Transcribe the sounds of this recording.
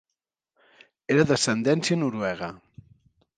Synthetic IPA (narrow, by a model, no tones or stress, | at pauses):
eɾəðəsənd̪ɛnsjənuɾuɛɣ̞ə